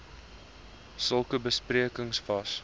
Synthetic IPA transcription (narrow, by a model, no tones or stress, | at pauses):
səlˠkəbəspriəkəŋsfɐs